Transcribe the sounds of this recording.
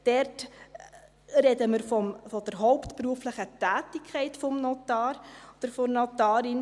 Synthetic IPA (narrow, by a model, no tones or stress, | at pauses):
d̥ɛrt | rɛdəməɾfɔmfɔd̥əɾɦɔʊptpruəfləχətæːtɪkʰːɛɪtfɔmnɔtɑːɾɔd̥əɾfɔnɔtɑːɾin